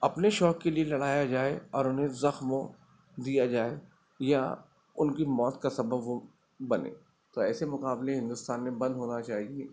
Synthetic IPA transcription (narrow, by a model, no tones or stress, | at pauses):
ɐpneʃɔːkːelielɐɽaːjad͡ʒaːeɔːɾʊnɦẽzɐxmo | d̪ijad͡ʒaːe | ja | ʊnkimɔːt̪kasɐbəbo | bɐnḛ̃ː | t̪oɛːsemʊkaːbleɦɪ̃nd̪ʊst̪aːnmẽbɐ̃nd̪ʱɦoːnat͡ʃaːɦieː